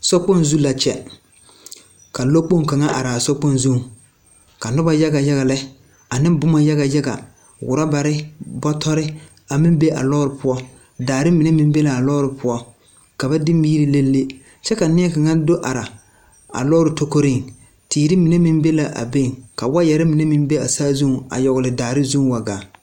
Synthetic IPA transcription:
sɔ˦k͡po˦nzu˦la˨t͡ʃɛ̰˨ | ka˨lo˦k͡po˦ŋ˨ka˨ŋa˦ʔa˨ɾa˨a˨sɔ˦k͡po˦nzu˦˨ŋ | ka˨nʊ˦ba˨ja˦ɡa˨ja˦ɣa˨lɛ˦ | a˨nɪ˦m˦bʊ˦ma˨ja˦ɣa˨ja˦ɡa̰˨ | wʊ̰˨ɾa˦ba˨ɾɪ˦bɔ˦tʰɔ˦ɾɪ˦ | a˨mɪ˦m˦be˦ʔa̰˨lɔ˦ɾɪ˨pʊ˦ɔ˦ | daː˨ɾɪ˦mɪ˨ne˦mɪ˦m˦be˦la˨a˨lɔː˦ɾɪ˨pʰʊ˦ɔ˦ | ka˨ba˦dɪ˦mːiː˦ɾi˦le˦lːe˦ | t͡ʃɛ˦ka˨nɪ˦ɛ˦ka˨ŋa˦ndo˦ʔa˨ɾa˨ | a̰˨lɔ˦ɾɪ˨to˦ko˦ɾɪ˦ŋ | tiː˨ɾɪ˦mi˨ne˦mɪ˦mbe˦la˨ʔa̰˨be˦˨ŋka˨wa˦jɛ˨ɾɪ˦mɪ˨ne˦mɪ˦m˦be˦a˨saː˦zu˦ŋ˨a̰˨jɔ˨ɣʊ˨lɪ˨daː˨ɾɪ˦zu˦ŋ˨wa˨ɡaː˨

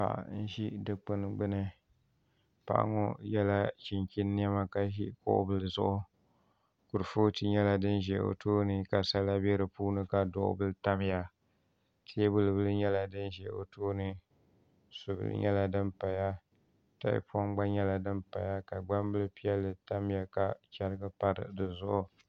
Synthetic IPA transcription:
pa̰˨ʔn̩˦ʒi˦dɨ˨k͡pɨ˦n˨ɡ͡bɨ˦nɨ˦ | pa̰˨ʔŋɔ˦jɛ˦la˦t͡ʃi˨ŋkʲi˦nːɪ˦ɛ˦ma˦ka˦ʒi˦kʊ̰˦ʔʊ̰˦bɨ˦lzʊ̰˦ʔʊ˦ | kʊ˨ɾɨ˨foː˦ti˦ɲɛ˦la˨dɨ˦nʒɛ˨o̰˨tʰoː˦nɨ˦ka˨sa˦la˦bɛ˦ɾɨ˨puː˦nɨ˦ka˨dʊ˨ʔʊ̰˦bɨ˦lɨ˦ta˦m˦ja˨ | tʰi˦e˦bʊ˦lɨ˨bɨ˦lɨ˦ɲɛ˦la˨dɨ˦nʒɛ˨o̰˨toː˦nɨ˦ | so˨bɨ̰˦lɨ̰˦ɲɛ̰˦la˨dɨ˦mpa˨ja˦ | ta̰˦ɪ̰˦pɔ˦ŋɡ͡ba˦ɲɛ˦la˨dɨ˦mpa˨ja˦ka˨ɡ͡ba˦mbɨ˦lɨ˦pi˦jɛ˦lːɨ˨ta˦m˦ja˨ka˨t͡ʃa˦ɾɨ˦ɡɨ˦pa˦ɾɨ̰˨dɨ˨zʊ˦ʔʊ˦

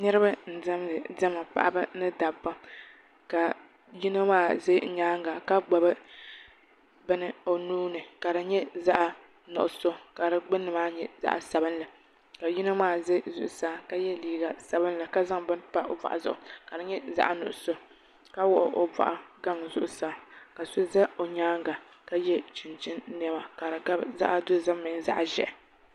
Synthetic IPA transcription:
nɨ˦ɾɨ˦ba˦n̩˨dɛ˦mlɨ˨dɛ˦ma˨pa̰˨ʔa̰˦bɨ˦nɨ˦da˨pːa˦ | ka˨ | ji˦na˦maː˦ze˦˨ɲaː˦ŋ˨ɡa˨ka˦ɡ͡ba˨bɨ˦ | bɨ˦nɨ˦o˨nuː˦nɨ˨ka˨ɾɨ˨ɲɛ˦za˦ʔa˦ | nʊ̰˨ʔʊ˨so˦˨ka˨ɾɨ˨ɡ͡bɨ˦nːɨ˨maː˦ɲɛ˦za̰˦ʔa̰˨sa˨bɨ˦nla˨ | ka˨ji˦nɨ˦maː˦˨zɨ˦zʊ˨ʔʊ˨saː˦ka˦jɛ˦liː˦ɡa˨sa˨bɨ˦nla˨ka˦za˦ŋbɨ˦npa˦ʔo˨va̰˨ʔa̰˨zʊ˦˨ʔʊ˨ka˨ɾɨ˨ɲɛ˦za̰˦ʔa˦nʊ̰˨ʔʊ˨so˦ | ka˦wɔ˦ʔʊ˨ʔo˨va̰˨ʔa˨ɡa˦ŋzʊ˦ʔʊ˨saː˦ka˨so˦zɛ˦o˨ɲaː˦ŋɡa˨ | ka˦jɛ˦t͡ʃɪ˨nt͡ʃɪ˦n˦nɛ˦ma˨ka˨ɾɨ˨ɡa˦bza̰˦ʔa˦dʊ˦za˦mːɨ˨ŋza̰˦ʔa˨ʒɛ̰˨ʔ

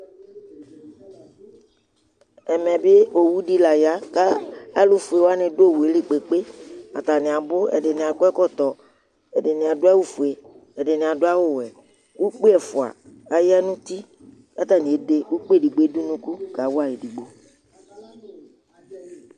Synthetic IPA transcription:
ɛ˨mɛ̃˨be˦o˨wu˦ɖi˦la˨ja˨˦ka˦a˦lu˦fu˨e˨wa˦nɪ̃˨do˦˨wu˨e˦li˦k͡pe˨k͡pe˦a˨t̪a˨nɪ̃˨a˨bʊ˦ɛ̰˨ɖɪ˨nɪ̃˨a˨kɛ˦kɔ˦t̪ɔ˨ | ɛ˨ɖɪ˨nĩ˨a˨do˦a˦wu˦fu˨e˨ | ɛ˨ɖɪ˨nɪ̃˨a˨ɖo˦a˦wo˦˨wɛ˨ | wu˦k͡pe˦ɛ˨fʊ˨a̰˨a˦jɛ˦nũ˦t̪i˦ | ka˦t̪a˨nĩ˨e˨˦de˦wu˦k͡pe˦˨di˨ɡ͡be˦du˦nũ˦ku˦ɡa˨˦wo˦a˦˨je˨di˨ɡ͡bo˦

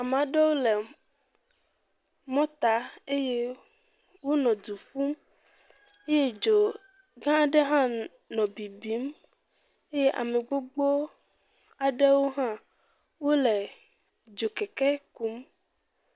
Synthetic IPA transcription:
a˨m˨ã˨ɖe˦wo˦lɛ˨ | mɔ̃˦t̪a˨˦e˦je˦ | wo˦nɔ̃˨d̪u˨fu˦m | e˦je˦d͡ʒo˨ | ɡã˦˨ɖe˦ɦã˦ | nɔ̃˨bi˨bi˨˦m | e˦je˦ʔa̰˨mẽ˨ɡ͡bo˦ɡ͡bo˦ | a˨ɖɛ˦wo˦ɦã˦ | wo˦leɛ˨ | d͡ʒo˨kɛ˨kɛ˦ku˨˦m

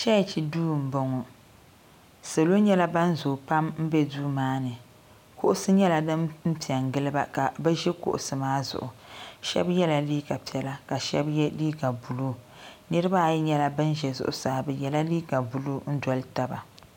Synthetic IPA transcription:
t͡ʃɛ˦˨t͡ʃi˨duː˦˨m̩˨bo˨ŋɔ˨ | so˨lo˦ɲɛ˦la˦ba˦n˦zʊ˨pa˦mm̩˦bɛ˦duː˦maː˦nɨ˨ | kʊ˦ʔʊ˦sɨ˦ɲɛ˦la˨dɨ˦mm̩˦pi˨ɛ˨ŋ˨ɡɨ˦lɨ˦ba˦ka˨bɨ˦ʒɛ˦kʊ̰˨ʔʊ˨sɨ˨maː˦zʊ̰˨ʔʊ˨ʃɛ̰˦bjɛ˦la˨liː˦ɡa˨pi˨ɛ˨la˦ka˨ʃɛ̰˦bjɛ˦liː˦ɡa˨bu˨luː˦ | nɨ˦ɾɨ˦ba˦˨jɲɛ˦la˦bɨ˦nʒɛ˨zʊ̰˦ʔʊ˨saː˨bɨ˨jɛ˨la˦liː˦ɡa˨bu˨lu˦n̩˦dɔ˨lta˦ba̰˨

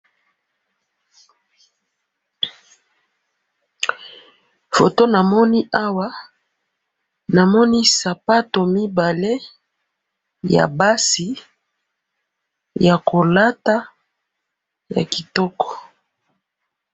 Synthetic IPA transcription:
fo̰˨to˦na˨mɔ˦ni˦ʔa˦wa˦ | na˨mɔ˦ni˦sa˨pa˦to˨mi˦ba˨le˦ | ja̰˨ba˦si˨ | ja˨ko˨la˦ta˦ | ja̰˨ki˨tɔ˦kɔ̥˨

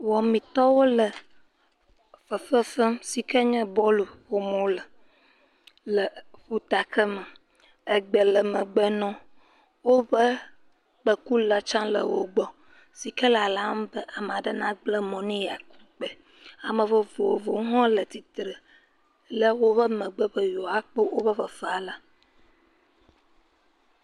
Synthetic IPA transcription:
wɔ˨mĩ˨t̪ɔ˦wo˦lə˨ | fə˨fə˦fə˦msi˨kɛ˦ɲɛ̃˦bɔ˦lu˨ɸo˨mõ˦lə˨ | lə˨ɸu˦t̪a˨kə˦mə̃˨ | ə˨ɡ͡bə˨lə˨mə̃˨ɡ͡bə˦nɔ̃˦ | wo˦bə˦ | k͡pə˨ku˦la˦t͡ʃã˦lə̰˨wo̰˨ɡ͡bɔ˦ | si˨kə˦la˨la˦m˦bə˦ʔa˨m˨a˨ɖə˦nã˦ɡ͡blə˦mɔ̃˨nĩ˦ja˨ku̥˦k͡pɛ˨ | a˨mə̃˨və˦vo˨o˨vo˨˦ɦɔ̃˦lə˨t̪i˨t̪ɾə˨ | lə˦wo˦βə˦mə̃˨ɡ͡bə˦ɸə˦jɔ˨a˦k͡pə˦wo˦bə˦ɸə˨fə˨a˨la˨

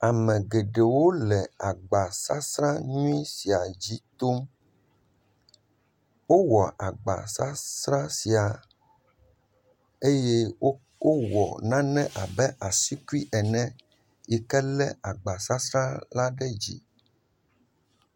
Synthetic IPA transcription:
a˨mɛ̃˨ɡe˨ɖe˨wo˦lɛ˨a˨ɡ͡ba˨sa˦sɾã˦ɲũ˦i˦si˨a˨d͡ʑi˦t̪o˦m | wo˦wɔ˨ʔa˨ɡ͡ba̰˨sa˦sɾã˦si˨a˨ | e˦je˦ | wo˦wɔ̰˨nã˦nɛ̃˦ʔa˨bɛ˦ʔa˨si˦ku˦i˦ʔɛ˨nɛ̃˦ | jɛ˨kɛ˦lɛ˦a˨ɡ͡ba˨sa˦sɾã˦la˦ɖɛ˦d͡ʑḭ˦

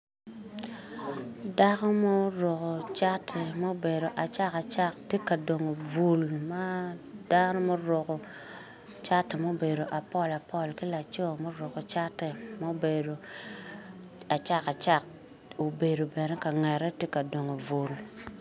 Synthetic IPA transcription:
da˦kɔ˦mo˦ɾo˨ko˨t͡ʃa˦tʰːɛ˨mo˦be˨do˨ʔa˨t͡ʃa˦ka˨t͡ʃa˦˨k̚te˦ka˨do˨ŋo˨vu˨lma˦da˦nɔ˦mo˦ɾo˨ko˨ | t͡ʃa˦tːɛ˨mo˦be˨ɾo˨ʔa˨pɔ˦la˨pɔ˦˨lkɪ˦la˨t͡ʃo˦mo˦ɾo˨ko˨t͡ʃa˦tːɛ˨mo˦be˨do˨ | a˨t͡ʃa˦ka˨t͡ʃa˦˨k̚ | o˨be˨do˨bɛ˨nɛ˦ka˨ŋɛ˨ɾɛ˦te˦ka˨do˨ŋo˨vu˨l

